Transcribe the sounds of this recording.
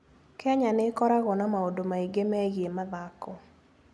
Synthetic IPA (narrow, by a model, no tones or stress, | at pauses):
kɛɲanɪkɔɾaɣɔnamaodomaiɡemɛɡemaðakɔ